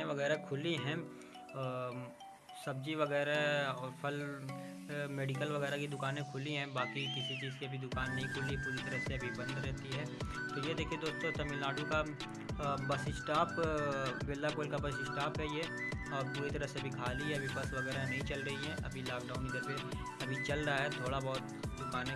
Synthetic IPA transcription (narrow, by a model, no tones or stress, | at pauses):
ẽʋɐɣɛːɾakʰʊliɦɛ̃ː | sɐb̚d͡ʒiʋɐɡɛːɾaɔːɾpʰɐl | meːɖikəlʋɐɣɛːɾakid̪ʊkaːnẽkʰʊliɦɛ̃baːkikɪsit͡ʃiːzkiɐbʱid̪ʊkaːnːɐɦĩkʰʊlipuːɾit̪ɐɾəɦseɐbʱibɐ̃nd̪ɾɛɦt̪iɦɛːt̪oːjed̪eːkʰied̪oːst̪õt̪ɐmɪlaːɖuka | bɐsɪsʈaːp | ʋeːlːakoːlkabɐsɪsʈaːpɦɛjeɔːɾpuːɾit̪ɐɾəɦseɐbʱikʰaːliɦɛɐbʱibɐsʋɐɡɛːɾanɐɦĩt͡ʃɐlɾɐɦiɦɛ̃ʔɐ̰bʱilaːk̚ɖaːʊnkit̪ɐɾpe | ɐbʱit͡ʃɐlɾɐɦaɦɛt̪ʰoːɽabɔːt̪ | d̪ʊkaːnẽ